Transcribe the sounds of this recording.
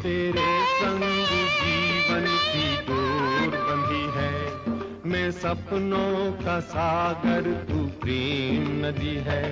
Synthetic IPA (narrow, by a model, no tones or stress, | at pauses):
t̪eːɾesə̃ŋɡd͡ʒiːʋənt̪iːd̪oːɾlə̃nd̪iːɦɛː | mɛ̃ːsəbnõːkaːsaːɡəɾt̪uːpɾeːmnəd̪iːɦɛː